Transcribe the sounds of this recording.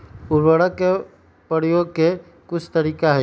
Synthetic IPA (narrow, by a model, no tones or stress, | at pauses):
ʊɾwəɽəkːe | pəɽijoːɡ̚ke | kʊt͡ʃʰt̪əɾiːkaɦɛ